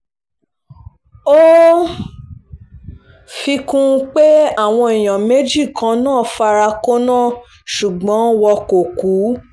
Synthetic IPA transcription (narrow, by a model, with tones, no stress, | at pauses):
o˦ | fi˧kũ˦˧k͡pe˦a˦˨w̃ɔ̃˧i˨j̃ã˨me˨˦d͡ʒi˦˨kã˧˦nãː˦˨fa˧ɾa˧ko˦nãː˦˨ | ʃu˨ɡ͡bɔ̃˨˦wɔ˧ko˨ku˨˦